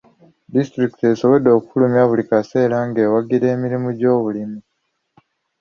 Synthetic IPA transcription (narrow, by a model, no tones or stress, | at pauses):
distɾikite̞so̞βo̞d̪o̞ːkukulumjaβulikase̞ːɾaŋɡe̞ːwaɡiɾe̞ːmiɾimuɟo̞ːβulimu